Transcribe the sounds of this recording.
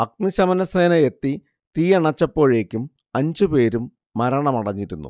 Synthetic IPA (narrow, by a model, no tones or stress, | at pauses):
ɐk̚niɕɐmɐnɐseːnɐet̪ːi | t̪iːjɐɳɐt͡ɕːɐpːo̞ːɻe̞ːkʲːum | ɐɲd͡ʑɨpe̞ːɾumː | ɐɾɐɳɐmɐɽɐɲːiɾunːṵ